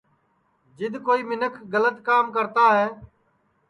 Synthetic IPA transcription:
d͡ʒɪd̪koːiːmɪnəkʰɡələt̪kaːmk̬əɾt̪aːɦɛː

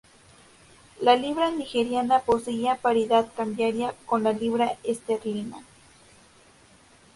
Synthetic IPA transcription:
laliβɾanixeɾjanaposeapaɾiðat̪kambjaɾjakonlaliβɾaest̪eɾlina

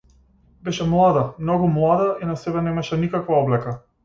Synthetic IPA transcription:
bɛʃɛmlˠad̪amnɔɡumlˠad̪ainasɛbɛnɛmaʃɛnikakvaɔblɛka

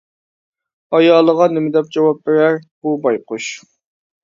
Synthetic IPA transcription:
ɑjɑːlˠəʁɑnɪmɪd̪ɛp̚d͡ʒɑwɑp̚beɾæɾb̥ubɑjqʊʃ

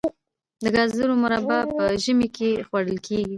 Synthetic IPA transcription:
d̪əɡɑzləɾomʊɾɑbapəʒəmekʰexwaɽəlkʰeɡi

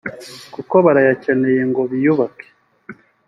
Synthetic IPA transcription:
kuko̞βaɾajace̞ne̞je̞ŋɡo̞βijuβake̥

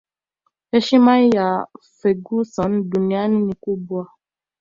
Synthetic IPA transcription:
eʃimaja | feɡusɔndunianinikubua

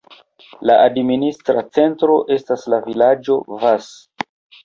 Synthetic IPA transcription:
laʔadministɾat͡se̞ntɾo̞ʔe̞staslavilad͡ʒo̞vas

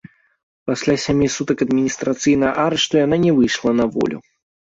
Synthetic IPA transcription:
pasʲlʲasʲamʲisut̪ɐkɐd̪mʲinʲist̪ɾat̪sɨjnɐjɐʔaɾɛʂt̪ujan̪anʲɛvɨjʂlˠɐnɐvɔ̰lʲṵ

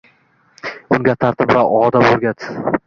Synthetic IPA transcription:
ʊŋɡʲat̪ʰaɾt̪ʰɪpɾaɒd̪apoɾɡʲat̪

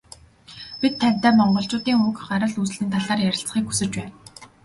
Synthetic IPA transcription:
pit̪ʰːænʲt̪æːmɔɴɢɞ̆ɬt͡ɕʊːt̪iːŋukɢaɾə̆ɮus̆ɮiːnt̪ʰaɮaːrjæɾʲɪ̆ɬt͡s̆χiːkxu̥sɘ̆t͡ɕpæːn

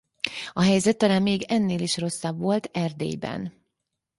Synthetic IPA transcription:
ɒɦɛjzɛt̪ːɒlaːmmeːɡɛnːeːliʃro̞sːɒbʋo̞lt̪ʰɛrd̪ḛːjbɛ̰n

